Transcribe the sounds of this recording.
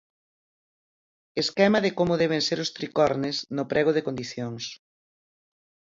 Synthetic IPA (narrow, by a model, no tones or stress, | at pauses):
eskɛmɐðɪkomʊðɛβ̞eŋseɾʊst̪ɾikɔɾnesnʊpɾɛɣ̞oðekõnd̪iθjoŋs